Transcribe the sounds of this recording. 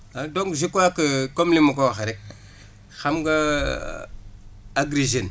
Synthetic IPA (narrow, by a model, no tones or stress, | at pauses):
adoŋɡzikwakəkomlimukowaxeɾek̚ | xamɡa | aɡɾiʒen